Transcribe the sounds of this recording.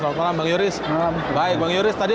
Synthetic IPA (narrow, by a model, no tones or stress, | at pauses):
alt̪malambaŋjuɾɪsaa | baɪk̚baŋjuɾɪst̪adi